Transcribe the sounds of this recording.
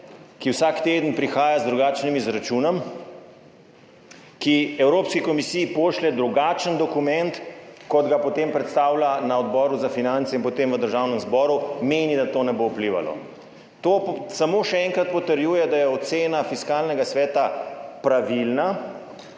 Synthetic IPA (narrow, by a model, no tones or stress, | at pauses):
kiwsakt̪eːd̪ənpɾixaːjazd̪ɾuɡaːt͡ʃnimizɾat͡ʃunɔm | kiɛwɾoːpskikɔmisijipoːʃlɛd̪ɾuɡat͡ʃənd̪ɔkumɛnt̪kɔd̪ɡapɔt̪empɾɛt̪st̪aːwlanaɔd̪bɔːɾuzafinant̪sɛinpɔt̪emʋəd̪əɾʒawnəmzbɔːɾumeːnid̪at̪oːnɛbowpliʋa̰lɔ̰ | t̪oːsamoːʃɛɛŋkɾat̪̚pɔt̪əɾjuːjɛd̪ajɛɔt̪seːnafiskalnɛɡasʋɛːt̪apɾaʋilna